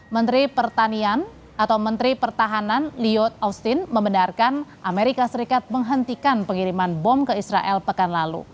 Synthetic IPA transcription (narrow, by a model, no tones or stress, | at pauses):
mənt̪ɾipərt̪anian | ʔat̪awmənt̪ɾipərt̪aɦananliɔt̪̚awst̪inməmbənarkanʔameɾikasəɾikat̪̚məŋɦənt̪ikanpəŋiɾimanbɔmkəisɾa̰ʔɛlpəkanlalṵ